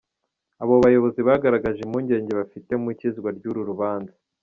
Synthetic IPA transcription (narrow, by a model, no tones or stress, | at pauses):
aβo̞βajo̞βo̞ziβaːɡaɾaɡaʒemuɲɟe̞ːɲɟe̞βafite̞mwiciziɡwaɾɟuɾuɾuβaːnza